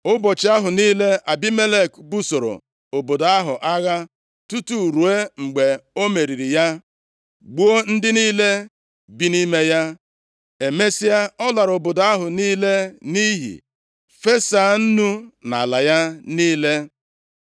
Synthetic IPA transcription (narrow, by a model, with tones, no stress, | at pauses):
ʊ˦bɔ˨t͡ʃɪ˦a˦ɦʊ˨niː˦le˦ʔa˨bi˦me˦le˦˨kbu˦so˨ɾo̰˨ | o˨bo˨da˦ɦʊ˨ʔa˦ɣa˦ | tu˦tu˦˨ɾu˨e˦ŋ͡m̩˨ɡ͡be˨o˦me˨ɾi˨ɾi˨ja˦ | ɡ͡bu˦o˦n̩˦dɪ˦niː˦le˦ | bi˦ni˦me˦ja˦ | e˨me˦si˦a˦ɔ˦la˨ɾo˨bo˨do˨a˦ɦʊ˨niː˦le˦ni˦ɦḭ˨ | fe˦sa˨˦˨n̩˦nu˦na̰˨la˨ja˦niː˦le˦